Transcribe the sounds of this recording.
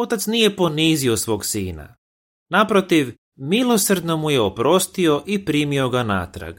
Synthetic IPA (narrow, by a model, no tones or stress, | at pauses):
o̞t̪at̪snije̞po̞niːzio̞sʋo̞ːɡsiːna̰ | napɾo̞t̪iʋ | milˠo̞srd̪no̞muje̞opɾo̞st̪io̞ʔipɾiːmio̞ɡana̰ːt̪ɾa̰ɡ